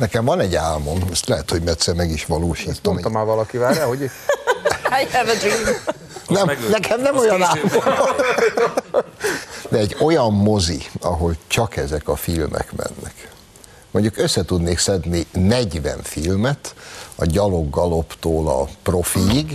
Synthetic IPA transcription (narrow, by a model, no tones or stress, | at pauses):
nɛkɛɱvɒnɛɟaːlmo̞mɒst̪lɛɦɛt̪ho̞ɟmɛt̪sɛrmɛɡiʃʋɒloːʃiːt̪ːommaːvɒlɒkivaːɾɾahoɟi | ajɛvi | nɛmnɛkʰɛmnɛmojɒnaːlmomɒn | d̪ɛɛɟo̞jɒmːo̞zḭɒɦo̞lt͡ʃɒkɛzɛkɒfilmʔɛ̰kmɛ̰nːɛ̰k | moɲɟukøsːɛt̪ud̪neːksɛd̪ninɛɟʋɛ̰ɱfilmɛt̪ɒɟɒlo̞ɡːɒlo̞pt̪oːlɒ̰pro̞fiːɡ